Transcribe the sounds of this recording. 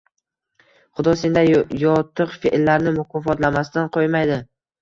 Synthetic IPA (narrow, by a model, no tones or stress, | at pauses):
χʊd̪ɒsend̪ajɒt̪ʰɨqfeʔlːaɾnɪmʊkʰɒfɒt̪lamasɪt̪anqʰojmajd̪ɪ